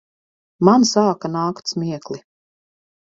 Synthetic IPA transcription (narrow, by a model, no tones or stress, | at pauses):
mansaːkanaːkt̪smʲiɛkli